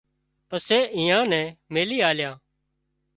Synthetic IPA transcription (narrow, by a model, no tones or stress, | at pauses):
pəseːʔɪ̃ːãːnɛ̃ːmeːliːaːljãː